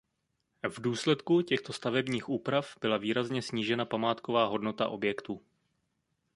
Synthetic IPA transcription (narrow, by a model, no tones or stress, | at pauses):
vduːslɛt̪kucɛxt̪o̞st̪avɛbɲiːxʔuːpɾafb̥ɪlaviːɾazɲɛsɲiːʒɛnapamaːt̪kovaːɦo̞dno̞t̪a̰ʔo̞̰bjɛkt̪uː